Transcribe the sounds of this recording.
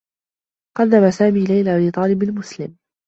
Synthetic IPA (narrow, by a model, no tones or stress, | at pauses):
qɑd̪ːamasaːmiːlajlaːʔbiːt̪ˤɑːlɪblmʊslɪm